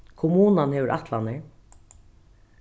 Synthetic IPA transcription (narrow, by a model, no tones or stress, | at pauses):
kʰʊmuːnanhɛːʋʏɹʔa̰ht̪ʰlanɪɹ